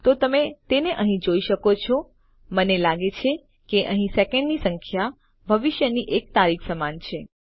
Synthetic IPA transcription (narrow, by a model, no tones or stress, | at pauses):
t̪ot̪əmet̪eneʔəɦĩd͡ʒoiʃəkot͡ʃʰo | mənelaɡet͡ʃʰe | keʔəɦĩsekɛ̃ɳɖnisə̃ŋkʰja | bʱəʋɪʃjəniʔek̚t̪aɾikʰsəmant͡ʃʰe